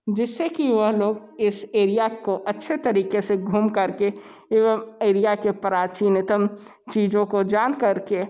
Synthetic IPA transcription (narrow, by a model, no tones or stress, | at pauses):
d͡ʒɪsːekiʋəɦloːɡ | ɪseːɾijakoʔɐtːʃʰet̪ɐɾiːkeseɡʱuːmkɐɾke | eːʋəmeːɾijakepəɾaːt͡ʃiːnɪt̪əm | t͡ʃiːd͡ʒõkod͡ʒaːnkɐɾke